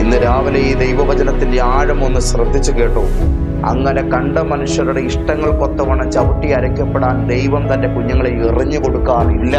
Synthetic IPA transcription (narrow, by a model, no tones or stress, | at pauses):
inːɨɾaːʋilɐjid̪ejʋɐʋɐd͡ʑɐnɐt̪ːinde̞aːɻɐmo̞nːɨɕrɐd̪ʱːit͡ɕːuke̞ːʈːoː | ɐ̰ŋːɐne̞kɐɳɖɐmɐnuʂjɐɾuɽe̞iʂʈɐŋːɐɭkot̪ːɐʋɐɳɐt͡ɕɐʋɐʈːiɐɾɐkʲːɐpːeɽaːnd̪e̞jʋɐmt̪ɐnde̞kuɲːɐŋːɐɭeirɐɲːɨko̞ɽukːaːnilːɐ